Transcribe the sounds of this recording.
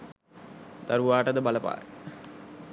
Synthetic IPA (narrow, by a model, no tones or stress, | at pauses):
d̪̥aɾuʋaːʈəd̪əbaləpa̰ːj